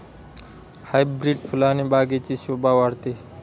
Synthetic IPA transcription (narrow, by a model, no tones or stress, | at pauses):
hajbɾiɖpʰulanibaɡet͡sisubawaɾt̪i